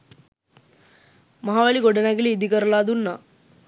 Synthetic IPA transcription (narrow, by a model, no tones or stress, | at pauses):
mɐɦaːʋaːɭiɡɔɖɐnaɡiliːd̪ikɐɾɐlaːd̪unːa